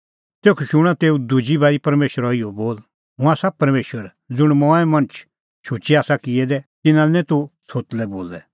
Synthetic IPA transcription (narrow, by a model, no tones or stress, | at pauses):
t̪eːkʰuʃʊɽ̃at̪eːud̪ud͡ʒibaːɾipɐɾmeːʃəɾɔɪɔboːl | ɦʊ̃aːsapɐɾmeːʃəɾ | d͡zʊɽ̃mɔ̃ːɛmɐ̃nət͡ʃʰ | ʃʊt͡ʃiaːsakɪɛd̪ɛt̪ɪnãnɛ̃t̪usot̪lɛboːlɛ